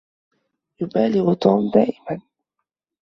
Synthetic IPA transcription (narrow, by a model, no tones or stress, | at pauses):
jʊbaːlɪɣʊt̪uːmd̪aːʔɪman